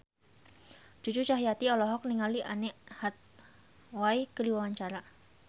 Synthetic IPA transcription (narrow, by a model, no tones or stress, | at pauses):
d͡ʒ̥ud͡ʒut͡ʃaɦijat̪iɔlɔɦɔk̚niŋaliʔanɛʔhat̪̚ | wajkəliwawaɲt͡ʃaɾa